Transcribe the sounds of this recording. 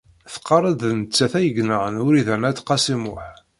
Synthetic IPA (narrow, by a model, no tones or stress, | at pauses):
θə̥qʰːɑɾˤəd̪nət͡sːæθæjəɡnəʁənʊɾiðænæt̪ːqɑsimʊħ